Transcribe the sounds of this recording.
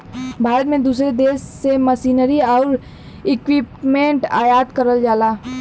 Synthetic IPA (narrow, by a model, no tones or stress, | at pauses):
bʱaːɾət̪mẽd̪uːsɾed̪eːsːeməsiːnəɾiɔːɾ | ɪkwipmẽɳʈaːjaːd̪kəɾəld͡ʒaːlaː